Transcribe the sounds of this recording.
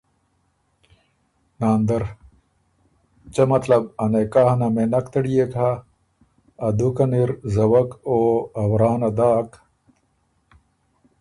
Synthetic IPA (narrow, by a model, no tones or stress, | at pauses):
naːnd̪ɐɾ | t͡ɕɐmɐt̪lɐb̚ɐnekaːhnɐmenɐkt̪ɐɽijekʰa | d̪ukɐniɾzɐwɐkoɐwɾaːnɐd̪aːk